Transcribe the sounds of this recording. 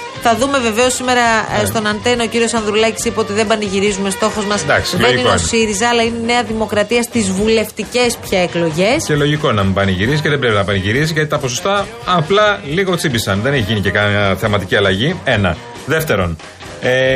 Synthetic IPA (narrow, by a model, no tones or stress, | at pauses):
θɐðume̞ve̞ve̞o̞sime̞ɾɐst̪o̞nɐnt̪e̞nio̞ciɾio̞sɐnðɾulɐcisipeo̞t̪iðebɐniʝiɾizume̞st̪o̞xo̞zmɐsd̪ɐ̰ksleniosiɾizɐːlɐinene̞ɐðimo̞kɾɐt̪iɐst̪izvule̞ft̪ice̞spçɐeklo̞ʝe̞scelo̞ʝiko̞enɐmibɐniʝiɾisice̞ðebɾepinɐbɐniʝiɾisiʝɐt̪it̪ɐpo̞s̬o̞st̪ɐː | plɐliɣo̞t͡sibisɐnðe̞neçiʝinicekɐθemɐt̪iciɐlɐʝie̞nɐ̰ | ðe̞ft̪e̞ɾo̞̰n | e